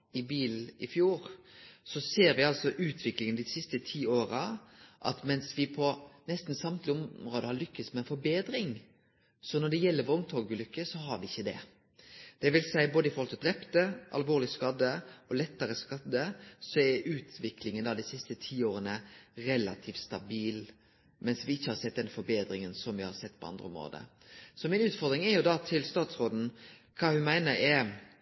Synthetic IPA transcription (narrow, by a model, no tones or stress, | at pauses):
ɪbiːl̩ɪfjuːɾsɔseːɾʋɪɑlsɔʔʉːt̪ʰʋɪklɪŋənd̪ɪsɪst̪ət̪ʰiːoːɾɑʔɑ̰t̪mɛnsʋɪpʰɔnɛst̪n̩sɑmt̪lɪɔmɾoːd̪əhɑɾɭʏkːəsmɛːnfɔɾbeːd̪ɾɪŋ | sɔnɔɖɛjɛlːəɾʋɔʊŋt̪ʰɔɡəlʏkːəsɔɦɑɾʋɪɪçːəd̪ɛ̰ | d̪̥ɛʋɪlsæɪboːd̪əɪfɔɾhɔlt̪ʰɪld̪ɾɛpt̪əʔɑ̰lʋoːʁlɪskɑd̪ːəɔlɛt̪ːəɾəskɑd̪əsɔɛɾʉːt̪ʰʋɪkʰlɪŋənd̪ɑːd̪ɪsɪst̪ət̪ʰiːoːɾənəɾɛlɑt̪ʰiːfst̪ɑbiːl | mɛnsʋɪɪçːəhɑɾsɛt̪̚d̪ɛnfɔɾbeːd̪ɾɪŋənsɔmʋɪhɑɾsɛt̪ːpʰɔɑ̰nd̪ɾəɔ̰mɾo̰ːd̪ə̰ | sɔmɪnʉːt̪fɔɾd̪ɾɪŋɛɾjʊd̪ɑt̪ʰɪlst̪ɑːt̪sɾoːd̪n̩kʰɑːhʉnmæɪnəɾɛɾ